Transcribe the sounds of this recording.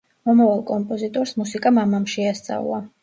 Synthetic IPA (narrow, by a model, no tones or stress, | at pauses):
mɔmavalˠkʼɔmpʼɔzit̪ʼɔɾsmusikʼamamamʃɛast̪sʼa̰v̰lˠa